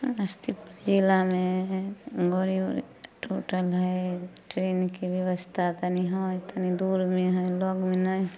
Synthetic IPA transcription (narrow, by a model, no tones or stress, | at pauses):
əst̪ʰipd͡ʒilame | ɡoɾi | ʈʰuʈəlɦəjʈɾenkibjəʋəst̪ʰat̪əniɦɔjt̪ənid̪uɾmeɦɔlɔɡmenəj